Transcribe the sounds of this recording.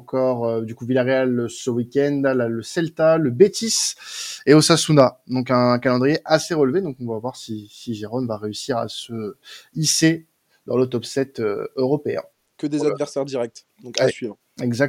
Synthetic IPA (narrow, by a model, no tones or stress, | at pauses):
kʰɔʁød̪ykuvilaʁealsəwikʲɛnd̪alaləsɛlt̪aləbet̪iseosasunad̪ɔ̃kɛ̃kalɑ̃d̪ʁijeʔaseʁəlved̪ɔ̃kɔ̃vwavwaʁsisiʒeʁɔmvaʁeysiʁa̰səise | d̪ɑ̃lot̪ɔpsɛt̪ø̰øʁɔpeɛ̰̃ | kʲəd̪ezad̪vɛʁsɛʁd̪iʁɛk̚t̪ | d̪ɔ̃kasɥiv | ɛɡzak̚